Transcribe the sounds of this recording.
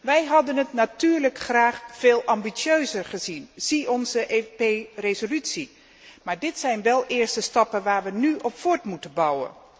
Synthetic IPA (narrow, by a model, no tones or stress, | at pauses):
ʋɛjɦɑdənɦətnatyːɹləkχraːχfeːlˠʔɑmbisøɥzəɹχəzinz̥iɔnzəʔeperezolytsi | maːɹdɪtsɛjnʋɛlˠʔɪːɹstəstɑpənʋaːɹʋənyʔɔpfʊːɹtmutənbɑwə̰n